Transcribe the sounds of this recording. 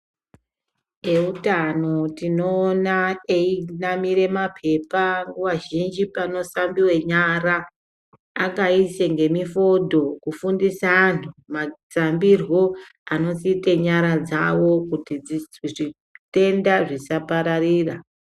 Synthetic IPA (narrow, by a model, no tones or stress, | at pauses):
e̞utano̞tino̞ːnaeinamiɾe̞mapʰe̞paŋɡoʋaʒind͡ʒipano̞sambiwe̞ɲaɾaː | kaiseŋɡe̞mifo̞dʱo̞kufundisaːntʰumat͡sambirwo̞ | ano̞ziteɲaɾad͡zawo̞kutiiʐi | te̞ndaʐisapaɾariːra